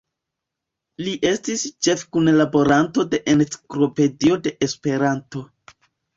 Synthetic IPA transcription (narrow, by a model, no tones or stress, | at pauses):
liʔe̞stist͡ʃe̞fkunlabo̞ɾanto̞de̞ʔent͡si̥klo̞pe̞dio̞de̞ʔespe̞ɾanto̞